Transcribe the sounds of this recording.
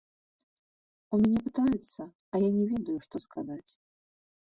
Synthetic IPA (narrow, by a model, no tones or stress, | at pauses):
umʲanʲɛpɨt̪ajɛt̪sːɐ | ɐjanʲɛvʲɛd̪ɐjuʂt̪ɔskʰazat͡sʲ